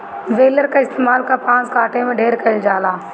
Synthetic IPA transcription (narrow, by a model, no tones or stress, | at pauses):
ʋeːləɾkaɪst̪eːmaːlkapãːt͡ʃkaːʈẽmẽɖʱeːɾkɐd͡ʒaːlaː